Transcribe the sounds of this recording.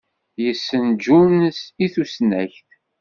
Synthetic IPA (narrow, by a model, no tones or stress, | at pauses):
jəsːənd͡ʒunsiθusnæçθ